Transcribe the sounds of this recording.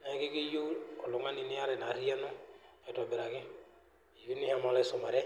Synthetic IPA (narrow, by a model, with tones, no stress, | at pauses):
nɛ˦kɪ˦ki˦ju˦ɔ˨lʊ˨ŋa˦ni˨nɪ˦a˦ɾɛ˨na˨ɾi˦ɛ˦nʊ˦ | ɛ˨tɔ˨bɛ˨ɾa˨kɪ˦ | i˨ɾi˦ni˦ha˦ma˦lɛ˦sʊ˨ma˨ɾɛ˦